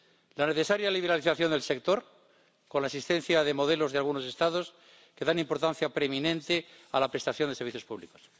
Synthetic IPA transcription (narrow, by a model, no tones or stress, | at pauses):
lane̞θe̞saɾjaliβ̞e̞ɾaliθaθjond̪e̞lse̞kt̪o̞ɾ | ko̞nlaesist̪ẽ̞n̟θjaðe̞mo̞ðe̞lo̞zðalɣuno̞se̞st̪aðo̞s | ke̞ðanĩmpo̞ɾt̪anθjapɾemĩnẽ̞nt̪ealapɾe̞st̪aθjoneseɾβiθjo̞spuβliko̞̥s